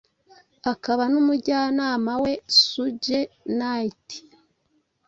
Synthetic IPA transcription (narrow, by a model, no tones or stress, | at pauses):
akaβanumuɟaːnaːmawe̞suɟenaiti̥